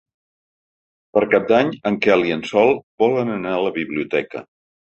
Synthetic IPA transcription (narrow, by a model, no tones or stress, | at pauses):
pəɾkap̚d̪aɲəŋkɛliənsɔlˠbɔlənənaələβiβliut̪ɛkə̰